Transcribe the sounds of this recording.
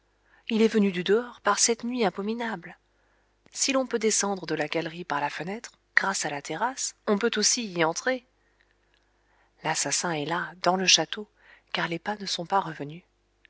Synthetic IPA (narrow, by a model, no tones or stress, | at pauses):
ilɛvənyd̪yd̪əɔʁpaʁsɛt̪nɥiɛ̃bɔminabl | silɔ̃pød̪esɑ̃d̪ʁəd̪əlaɡalʁipaʁlafənɛt̪χ | ɡ̥ʁasalat̪ʰeʁasɔ̃pøt̪osiːɑ̃t̪χe | lasasɛ̃ɛlad̪ɑ̃ləʃat̪o | kaʁlepanəsɔ̃paʁəvəny